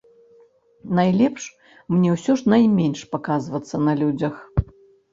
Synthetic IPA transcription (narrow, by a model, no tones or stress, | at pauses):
najlʲɛpʂ | mnʲɛwsʲɔʂnajmʲenʲʂpakazvɐt̪sːɐnɐlʲud͡zʲɐx